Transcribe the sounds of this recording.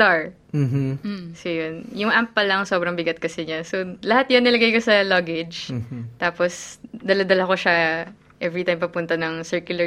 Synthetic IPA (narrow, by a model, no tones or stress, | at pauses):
t̪aɹ | sojonjʊŋʔampːɐlɐŋsobɾɐŋbɪɡɐt̪̚kɐsɛɲasolɐhat̪̚jonːɪlɐɡajkosɐloɡɛd͡ʒt̪aːposd̪ɐlɐd̪ɐlɐkoʃa | ʔɛvɾit̪ajmpɐpʊnt̪ɐnɐŋsɛɹkjʊlɐ